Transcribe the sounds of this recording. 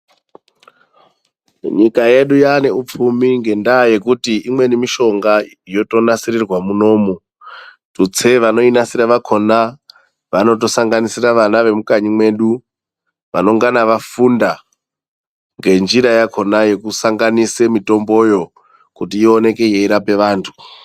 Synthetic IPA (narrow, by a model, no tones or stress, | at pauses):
ɲikaje̞ɗujane̞up͡fumiŋɡe̞ndaːje̞kutiimwe̞nimiʃo̞ŋɡa | jo̞to̞nasirirwamuno̞mu | tut͡se̞ʋano̞inasiɾaʋakʰo̞na | ʋano̞t̬o̞saŋɡanisiraʋanaʋe̞mukaɲimwe̞ɗu | ʋano̞ŋɡanaʋafunda | ŋɡe̞nd͡ʒiɾajakʰo̞naje̞kusaŋɡanisemito̞mbo̞jo̞ | kutiːo̞ne̞ke̞jeiɾape̞ʋaːntʰu̥